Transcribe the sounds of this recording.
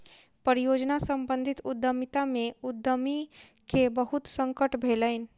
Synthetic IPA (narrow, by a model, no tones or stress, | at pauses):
pəɾijod͡ʒnasəmbə̃nd̪ʱit̪ud̪ːəmit̪ameud̪ʱːəmi | kebəɦut̪sə̃ŋkəʈbʱeləɪn̆